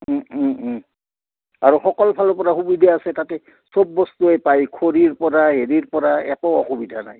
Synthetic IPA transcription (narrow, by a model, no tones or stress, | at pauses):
a̰ɹuxɔkɔlpʰalɔɹpɔɹaxubidʱaasɛtatɛ | sobːɔstuepajkʰoɹiɹpɔɹaɦeɹiɹpɔɹaɛ̰kɔɔxubidʱana̰j